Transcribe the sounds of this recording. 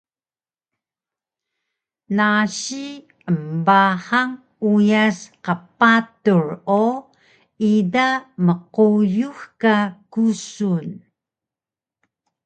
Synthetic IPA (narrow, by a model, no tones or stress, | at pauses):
naɕi | əmbaħaŋ | ujasqəpatuɹo | idaməqujuxkakusun